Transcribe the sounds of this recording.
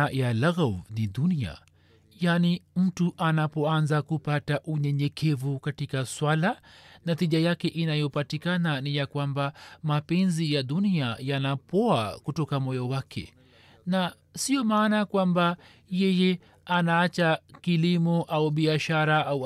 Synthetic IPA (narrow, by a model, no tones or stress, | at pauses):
jalaɣavniɗunia̰ | janim̩tuʔanapɔanzakupataʔuɲɛɲɛkʰɛvukatikaswalanatiʄajakɛʔinajɔpatikananijakwambamapɛnzijaɗuniajanapɔakutɔkamɔjawakʰɛ̰ | na | siɔmaːnakwamba | jɛjɛ | anaːt͡ʃakilimɔʔauɓiaʃaɾaau